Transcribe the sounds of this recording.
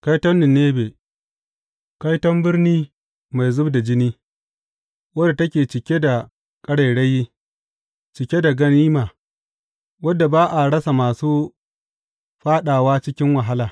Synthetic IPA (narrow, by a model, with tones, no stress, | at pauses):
ka˦jtɐ˦nːɪ˨nːeː˦beː˨ | ka˦jtɐ˦mbɪ˦rniː˦ | ma˨jzʊ˦bda˨d͡ʒɪ˦niː˦ | wɐ˦da˨tɐ˦kʲeː˨t͡ʃɪ˨kʲe˦da˨ | kʼɐ˦ɽa˨ɽe˦jːi˦ | t͡ʃɪ˨kʲe˦da˨ɡɐ˦niː˦maː˨ | wɐ˦dːa˨baː˦ʔa˨ɽɐ˦sa˨maː˨suː˦ | ɸaː˦ɗaː˨waː˦t͡ʃɪ˦kʲɪ˦ŋwa˨ɦa˦laː˨